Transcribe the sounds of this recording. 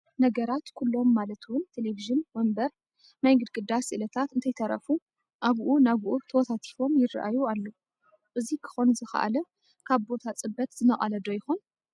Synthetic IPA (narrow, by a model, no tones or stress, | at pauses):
nɐɡɐɾat̪kʰulːo̞mːalɐt̪ʰwʊnt̪ʰe̞leviʒɨnwɔmbɐɾ | najɡɨd̪kʼɨd̪asɨʔlɐt̪ʰat̪ɨnt̪ʰɐjt̪ʰɐɾɐ̰fu | ʔaβʔunaβʔut̪ʰɐwɔt̪ʰat̪ʰi̥fo̞mjɪra̰ʔa̰jualːo | ʔɨzikʰɨ̥xo̞nzɨxɐ̰ʔa̰lɐ | kʰaβbo̞t̪ʰat͡sʼɨbɐt̪z̥ɨnɐχʼa̰lɐd̪ojɪxon